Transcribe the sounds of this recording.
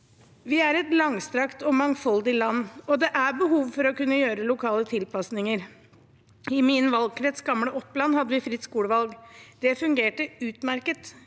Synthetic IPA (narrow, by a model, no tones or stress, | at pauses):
ʋɪæɾɛt̪lɑŋst̪ɾɑkt̪ɔmɑŋfɔld̪ɪlɑnːɔd̪ɛʔæbəɦuːʋfɔɾɔkʉnːəjøːɾəlʊkʰɑːlət̪ʰɪlpɑsnɪŋəɾ | ɪminʋɑlɡkɾɛt̪sɡɑmləʔɔpːlɑnhɑd̪ːəʋɪfɾɪt̪skuːləʋɑlɡd̪̥ɛfʉŋɡeːʈəʉːt̪mæɾkət̪